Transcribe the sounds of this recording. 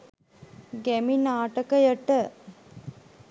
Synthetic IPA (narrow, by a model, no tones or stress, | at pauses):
ɡæminaːʈəkəjəʈə